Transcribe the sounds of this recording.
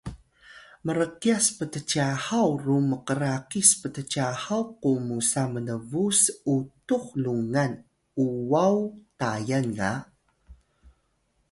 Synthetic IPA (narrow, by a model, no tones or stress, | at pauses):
məɾəqiaspətət͡ʃahawruməqəɾaqispətət͡ɕahawqumusamənəvusutuxluŋan | uwawtajanŋa